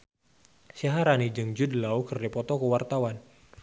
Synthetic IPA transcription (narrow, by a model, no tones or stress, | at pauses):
saɦaɾanid͡ʒɨŋd͡ʒudlaukərdipɔt̪ɔkəwart̪awan